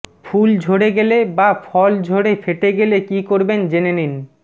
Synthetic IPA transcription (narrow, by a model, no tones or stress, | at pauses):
fʰuld͡ʑʱoɽeɡelebafʰɔld͡ʑʱoɽefeʈeɡelekikoɾbend͡ʑenenin